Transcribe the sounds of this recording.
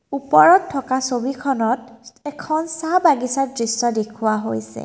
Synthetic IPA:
upɔɹɔtʰːɔkasobikʰɔnɔtɛkʰɔnsabaɡisadɹisːɔdekʰuwaɦojsɛ̰

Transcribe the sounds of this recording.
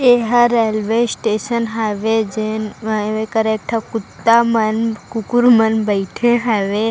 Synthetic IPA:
eɦaɾelʋesʈeːʃənɦaʋed͡ʒenʋekəɾek̚ʈʰakʊt̪ːamənkukuɾmənbəɪʈʰẽɦaʋe

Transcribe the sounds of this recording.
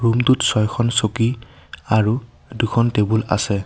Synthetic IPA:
ɹumtutsɔjkʰɔnsokiaɹu | dukʰɔntebula̰sɛ

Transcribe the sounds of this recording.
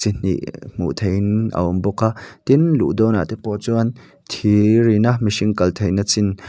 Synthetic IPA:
t͡sin̥ḭʔm̥ṵʔt̪ʰejnʔa̰ɔmbɔkat̪inlṵʔd̪ɔːna̰t̪ɛpɔt͡suɐn | t̪ʰiɾinamiʃiŋkɐlt̪ʰejnat͡sin

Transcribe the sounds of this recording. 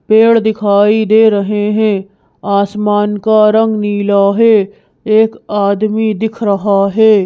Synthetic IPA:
peːɽd̪ɪkʰaːid̪eːɾɐɦeɦɛ̃ː | aːsmaːnkaɾə̃ŋɡniːlaɦɛ | eːkaːd̪mid̪ɪkʰɾɐɦaɦɛː

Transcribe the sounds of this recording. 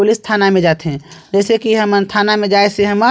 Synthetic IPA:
olist̪ʰaːnamẽd͡ʒaːt̪eɦɛ̃d͡ʒɛːsekiɦəmənt̪ʰaːnamẽd͡ʒaːeseɦəmə

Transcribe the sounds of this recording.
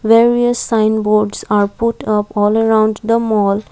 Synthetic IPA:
ʋeɾiəsːãɪ̃nboːɾɖsaːɾpʊʈʌpɔːləɾãʊ̃ɳɖd̪əmɔːl

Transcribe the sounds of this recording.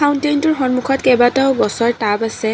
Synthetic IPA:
awntajntʊɹxɔnmukʰɔtkɛbataʊbɔsɔɹtabasɛ

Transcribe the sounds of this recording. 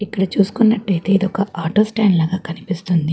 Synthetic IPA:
ikːɐɽɐt͡ʃuːsu̥kunːɐʈːɐjt̪e̞ːid̪ɔkɐʔaːʈoːsʈaːnlaːɡaːkɐnipist̪und̪i

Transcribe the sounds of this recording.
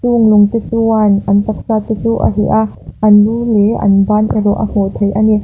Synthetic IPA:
tuŋluŋt̪it̪uanʔɐnt̪ak̚saːt̪it̪uʔa̰ɦiʔa | ʔɐnluleʔɐ̰nbanʔḭɾɔʔa̰m̥ɔt̪ʰejʔani

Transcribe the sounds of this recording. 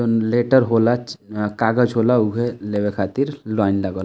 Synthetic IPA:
onleːʈəɾɦoːlat͡ʃkaːɡəd͡ʒɦoːlauɦeleʋekʰaːt̪iɾlaːɪnləɡəː

